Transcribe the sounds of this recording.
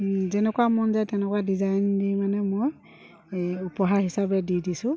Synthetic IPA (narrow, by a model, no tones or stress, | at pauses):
zɛnɛkuwamɔnzajtɛnɛkwadizajndimanɛmoj | upɔɦaɹɦisabɛdidisʊ̃